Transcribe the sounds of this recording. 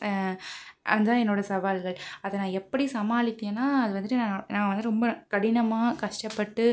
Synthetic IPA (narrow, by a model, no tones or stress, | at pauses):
ʔɐ̰nd̪aːɛnːoːɽɐsɐʋaːlɣɐɭɐðɐnãːɛpːɐɽisɐmaːlɪt̪ːẽːnaːɐðɯʋɐnd̪ɯʈːɯnãːnãːŋɡɐʋɐnd̪ɯɾɔmbɐkɐɽɪnɐmaːkɐʂʈɐpːɐʈːɯ